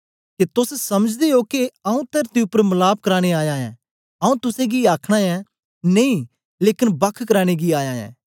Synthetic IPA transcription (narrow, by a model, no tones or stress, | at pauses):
ket̪ʊssɐməd͡ʒd̪eokeɐũt̪eɾt̪iʊpːəɾmɐlaːp̚kɐɾaːɽ̃eaːjaːɛ̰̃ː | ɐũt̪ʊsẽɡiaːkʰɽ̃aːɛ̃ | nɐĩ | leːkɪnbɐkʰkɐɾaːɽ̃eɡiaːjaːɛ̰̃ː